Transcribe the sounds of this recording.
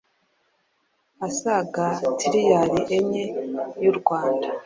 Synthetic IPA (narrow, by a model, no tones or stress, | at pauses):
asaɡatʰiɾijaɾiʔeɲejuɾɡwaːnda